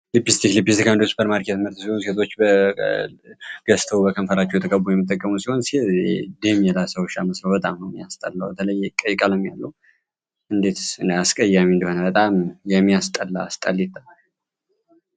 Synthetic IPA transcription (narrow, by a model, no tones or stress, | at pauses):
lipːist̪ʰiklipːist̪ikʰand̪ospʰəɾmaɾket̪mɨɾt̪siho̞nset̪ʰo̞t͡ʃːbə | ɡ̥əst̪ʰəwbəkʰənfəlat͡ʃːɛwt̪ʰəkʼəbujɛmːt̪ʼːəkʼːəmusiho̞nsed̪emjɛlasəwʃaməsləwbət̪ʼamnəwmijast̪ʼəlːawbət̪ʰələjːɛkʼəjkʼaləmjalːəw | ʔɨnd̪e̞t̪ɨaskʼəjːamiɨnd̪əho̞nəbət̪ʼamjɛmːijast̪ʼəlːa̰st̪ʼa̰lːjit̪ːa